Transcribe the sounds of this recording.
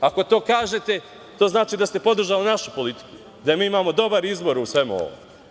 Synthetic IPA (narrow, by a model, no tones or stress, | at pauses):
ako̞t̪o̞ːkaːʒe̞t̪e̞ | t̪o̞ːznaːt͡ʃiːd̪ast̪e̞po̞d̪r̩ʒalinaʃupo̞lit̪i̥ku̥ | d̪aemiːimaːmo̞d̪o̞baɾizbo̞ɾusʋe̞muo̰ʋo̰m